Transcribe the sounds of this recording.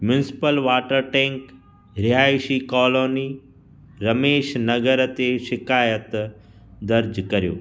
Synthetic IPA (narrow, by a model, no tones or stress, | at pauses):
mjʊnɪsɪ̥pəlʋaːʈəɾʈẽːŋk | ɾɪɦaːjʃikɔːloːni | ɾɐmeːʃnɐɡəɾt̪eʃɪkaːjət̪ | d̪ɐɾd͡ʒkɐɾijo̰ː